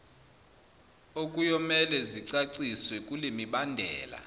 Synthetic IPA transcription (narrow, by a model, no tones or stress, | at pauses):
okʼujɔmɛlɛziǀaǀiswɛkʼulemiɓandʱɛːla̰